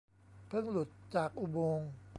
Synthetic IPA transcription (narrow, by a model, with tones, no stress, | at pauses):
pʰɯ˥˩ŋlu˨˩t̪̚t͡ɕaː˨˩k̚ʔu˧boː˧ŋ